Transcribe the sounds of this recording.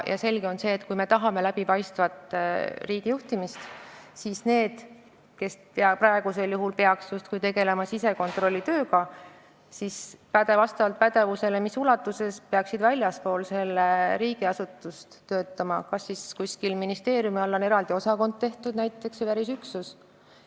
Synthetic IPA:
jʔɑ̰se̞lɡ̥e̞o̞nse̞ːt̪kujme̞t̪ɑɦɑme̞læb̥ipɑjst̪vɑt̪riːɡ̥ijuht̪imist̪sisne̞ːd̪̥ | ke̞speɑpɾɑe̞ɡ̥use̞ljuɦulpeɑksjust̪kujt̪e̞ɡe̞le̞mɑsise̞ko̞nt̪ˑro̞lʲːit̪ø̞ːɡɑ | sispæd̪evɑst̪ɑvɑlt̪̚pæd̪e̞vuse̞lemisulɑt̪ːˑuse̞speɑksid̪vælʲjɑspo̞ːlse̞lːeɾiːɡiɑsut̪ːˑust̪t̪ːø̞ːt̪ːˑɑmɑkɑsːiskusʲkilminist̪e̞ːɾjumiɑlːo̞ne̞ɾɑld̪̥io̞sɑko̞nd̪̚t̪e̞ht̪ud̪̥næjt̪ːˑe̞ksevæɾisyksus

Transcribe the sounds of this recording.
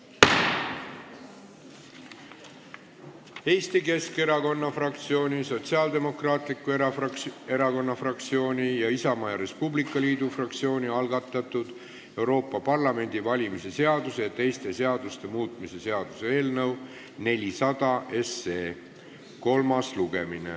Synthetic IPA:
e̞ːst̪ike̞ske̞ɾɑko̞nːɑfrɑkt̪sio̞ːnʲiso̞t̪siɑːld̪e̞mo̞krɑːt̪likːˑuee̞ɾɑko̞nːɑfrɑk̚t̪sio̞ːnʲijɑisɑmɑjɑɾe̞spublikːˑɑliːd̪ufrɑkt̪sio̞ːniɑlɡ̥ɑt̪ːˑɑt̪ːˑud̪̥ | e̞wɾo̞ːpˑːɑpɑrlɑme̞nd̪̥ivɑlʲimise̞se̞ɑd̪use̞jɑt̪e̞jst̪e̞se̞ɑd̪̥ust̪e̞muːt̪ˑmise̞se̞ɑd̪̥use̞e̞ːlnɤw | ne̞lʲisɑd̪̥ɑʔe̞se̞ː | ko̞lmɑsluɡe̞minḛ

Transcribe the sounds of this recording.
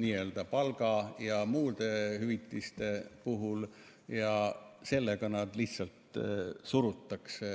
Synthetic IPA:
niːeld̪̥ɑpɑlɡ̥ɑjɑmuːd̪e̞hyvit̪ːˑist̪e̞puɦul | jɑse̞lːeɡ̥ɑnɑd̪liht̪sɑlt̪suɾut̪ːˑɑkse

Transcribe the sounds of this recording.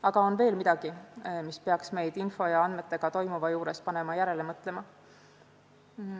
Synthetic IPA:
ɑɡ̥ɑo̞nve̞ːlmid̪̥ɑɡ̥imispeɑksme̞jd̪̥info̞jɑɑnd̪me̞t̪ːˑe̞ɡ̥ɑt̪o̞jmuvɑjuːɾe̞spɑne̞mɑjæɾe̞le̞mɤt̪ˑle̞mɑ

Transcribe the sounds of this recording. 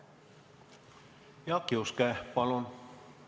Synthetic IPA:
jɑkːiuskæpɑlon

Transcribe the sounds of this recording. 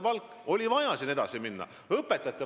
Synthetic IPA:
pɑlkːˑ | o̞lʲivɑjɑsined̪̥ɑsiminːɑ̰ | ɤpˑːe̞t̪ːˑɑt̪ːˑe

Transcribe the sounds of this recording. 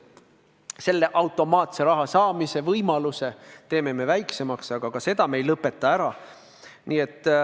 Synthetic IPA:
se̞lːe̞ʔɑwt̪ːˑo̞mɑːt̪se̞ɾɑɦɑsɑːmise̞vɤjmɑluse̞t̪e̞ːme̞me̞væjkse̞mɑksɑɡ̥ɑɡ̥ɑse̞d̪̥ɑme̞jlɤpːˑe̞t̪ːˑɑæɾɑ | niːe̞t̪ːˑ

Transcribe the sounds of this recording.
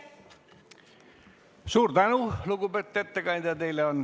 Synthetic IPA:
suːrt̪ɑnuluɡubet̪ːet̪ːækɑint̪ɑt̪eileon

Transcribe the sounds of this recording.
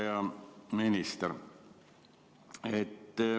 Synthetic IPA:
ɑminist̪er | et̪ː

